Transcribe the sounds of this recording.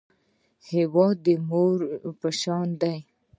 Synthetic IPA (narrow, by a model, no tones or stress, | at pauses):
hewɑd̪əmoɾpəʃɑnd̪aj